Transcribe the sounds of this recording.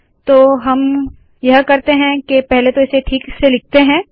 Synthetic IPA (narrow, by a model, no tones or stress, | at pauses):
t̪oːɦɐm | jɐɦkɐɾt̪eɦɛ̃kepɛɦlet̪oɪseʈʰiːkselɪk̚ʰt̪eɦɛ̃ː